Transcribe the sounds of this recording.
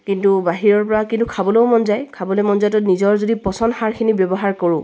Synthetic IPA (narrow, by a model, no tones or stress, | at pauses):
kintubaɦiɹɔɹpɔɹakintukʰabɔlɛʊmɔnzajkʰabɔlɛmɔnzajtɔtnizɔɹzodipɔsɔndhaɹkʰinibjɔbɔɦaɹkɔɹʊ̃